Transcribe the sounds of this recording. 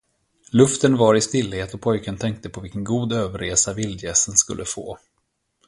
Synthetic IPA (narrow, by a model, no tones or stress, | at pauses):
lɵft̪ənvaɾɪst̪ɪlːheːt̪ɔpʰɔjkənt̪ʰɛŋk̚t̪əpʰɔvɪlkənɡuːd̪øːvəɾeːsavɪld̪jɛːsənskɵ̰lːʔəfo̰ː